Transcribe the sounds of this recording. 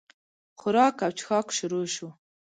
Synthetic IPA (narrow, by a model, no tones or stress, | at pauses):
xʊɾɑːkawt͡ʃxɑkʃʊɾuʃu